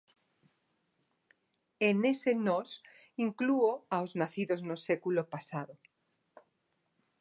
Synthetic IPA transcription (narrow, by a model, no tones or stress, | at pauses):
enesenos | iŋkluoaoznaθiðoznosekulopasaðo